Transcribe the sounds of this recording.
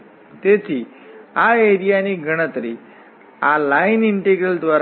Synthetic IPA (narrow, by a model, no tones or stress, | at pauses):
t̪et͡siː | aeɾijaniɡʱəɽ̃ət̪ɾi | alainiɳʈeɡɾəld̪ʋaɾ